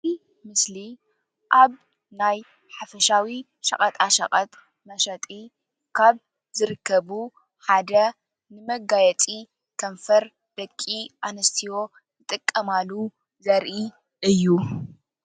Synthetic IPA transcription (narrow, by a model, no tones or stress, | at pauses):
zi | mɨsli | ʔaβ | naj | ħafɐʃawi | ʃɐ̰kʼɐt̪ʼaʃɐ̰kʼɐt̪ʼ | mɐʃɐt̪ʼi | kʰaβ | zɨɾɨkʰːɐβu | ħad̪ɐ | nɨmɐɡajɛt͡sʼi | kʰɐɱfɐɾ | d̪̥ɐkʼːiʔanɐst̪ʰiwo̞ | zɨt̪ʼɨkʼːɐmalːu | zɐɾʔi | ʔɨjːu